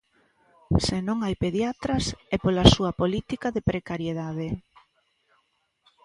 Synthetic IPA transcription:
senõŋajpeðjat̪ɾɐsɛpolasuɐpolit̪ikaðepɾekaɾjeðað̞e

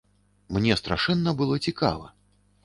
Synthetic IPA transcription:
mnʲɛst̪ɾaʂɛnːɐbɨlˠɔt͡sʲika̰vɐ̰

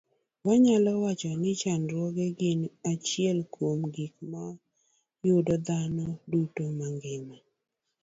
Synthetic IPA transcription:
waɲalɔwat͡ʃɔnɪt͡ʃanɾwɔɡeɡɪnat͡ʃɪɛlkomɡik̚ma | jʊdɔd̪anɔdutomaŋɡɪma

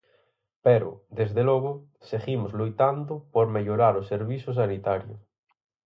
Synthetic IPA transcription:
peɾo̰d̪ezðeloɣo | seɣimozlujt̪and̪ʊpoɾmeʎoɾaɾoseɾβisos̬anit̪aɾjo̰

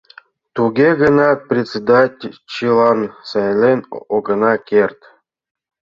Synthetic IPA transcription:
t̪uɡʲeɡənɑt̪̚prʲet͡sʲed̪atʲt͡ɕilˠɑnsɑjlʲenoɡɤ̆nɑkʲerʲt̪

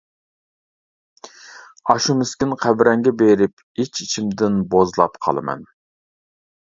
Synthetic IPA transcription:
ɑʃumɪskʲinqʰæbɾɛŋɡʲɛbeɾɪp̚ | it͡ʃit͡ʃʰimd̪ɪnbozlˠɑ̰pqʰɑ̰lˠɨmɛ̰n

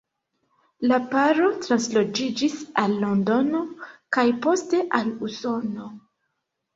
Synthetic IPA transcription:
lapaɾo̞tɾanslo̞d͡ʒid͡ʒisalːo̞ndo̞no̞kajpo̞ste̞ʔaluso̞no̞

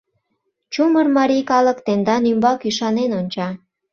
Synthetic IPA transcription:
t͡ɕumərmɑɾijkɑlə̆kt̪end̪ɑnymbɑkyʃɑnenonʲt͡ɕɑ

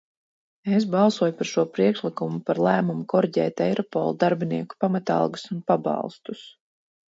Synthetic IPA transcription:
es̬bɑlˠsuɔjupaɾʃuɔpɾiɛkʃlikumupaɾlˠæːmumukɔɾiɟɛ̰ːt̪ejɾɔpɔ̰lˠd̪aɾbiniɛku̥pamat̪ɑ̰lˠɡusunpabɑ̰lˠst̪us

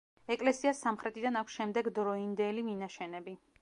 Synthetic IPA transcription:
ɛkʼlɛsiasːamχɾɛt̪ʼid̪anakʷʰsʃɛmd̪ɛɡd̪ɾɔind̪ɛliminaʃɛnɛbi

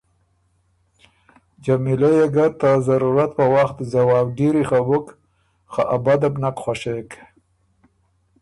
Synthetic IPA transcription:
d͡ʒamilajeɡat̪ːazaɾuɾat̪̚pəwaxt̪zawɑb̚ɖiɾixabʊk | xaʔabad̪abnakxwaʃek

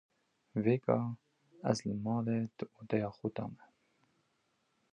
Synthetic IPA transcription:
veːɡɑː | ɛ̰zləmɑːleːd̪ɨʔoːd̪ɛjɑːxʊd̪ɑ̰ːmɛ

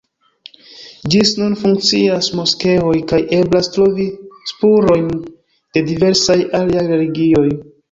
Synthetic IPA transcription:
d͡ʒisnunfuŋkt͡siasmo̞ske̞o̞jkaje̞blastɾo̞vispuɾo̞jn | d̥e̞dive̞ɾsajaliajɾe̞liɡio̞j

